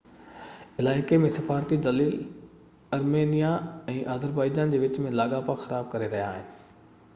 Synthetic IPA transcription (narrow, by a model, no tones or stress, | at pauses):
ɪlaːɪkemẽsɐfaːɾt̪id̪ɐliːl | ɐɾmeːnijaɛ̃ːʔaːzəɾbaːɪd͡ʑaːnd͡ʑeːʋɪt͡ɕmẽlaːɠaːpaxɐɾaːb̚kɐɾeɾɐɦijaːɦɪ̰nɪ